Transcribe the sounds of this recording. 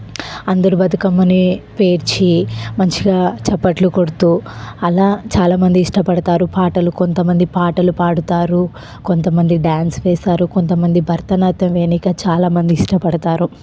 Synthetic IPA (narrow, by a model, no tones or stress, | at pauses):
ɐnd̪ɐɾubɐd̪ɐkɐmːɐnipe̞ːɾt͡ʃimɐnt͡ʃiɡaːt͡ʃɛpːɐʈlukoɽt̪uːɐlaːt͡ʃaːlaːmɐnd̪iːʂʈɐpɐɽɐt̪aːɾupaːʈɐluko̞nt̪ɐmɐnd̪ipaːʈɐlupaːɽut̪aːɾu | ko̞nt̪ɐmɐnd̪iɖaːnsʋɛːsaːɾuko̞nt̪ɐmɐnd̪ibʱɐɾt̪ɐnaːt̪ɐmʋe̞ːnikɐt͡ʃaːlaːmɐnd̪iːʂʈɐpɐɽɐt̪aːɾu